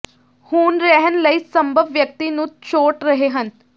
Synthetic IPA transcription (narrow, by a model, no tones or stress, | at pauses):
huːnɾɛɦənləiːsəmbʱəbːjək̚t̪iːnũːt͡ʃoːʈɾəɦeːɦən